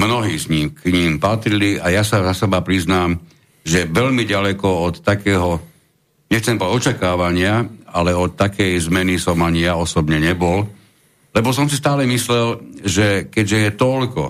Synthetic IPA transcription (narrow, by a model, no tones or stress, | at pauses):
mnɔɦiːzɲiːmkɲiːmpat̪ɾiliajasazasɛbapɾiznaːm | ʒɛʋɛʎmiɟalɛkɔɔt̪ːakɛːɦɔ | ɲɛxt͡sɛmbɔɔt͡ʃakaːʋaɲɪaalɛɔt̪ːakɛjzmɛnisɔmaɲijaɔsɔbɲɛɲɛbɔl | lɛbɔs̬ɔmsist̪aːlɛmislɛlʒɛkɛɟʒɛjɛt̪ɔlkɔ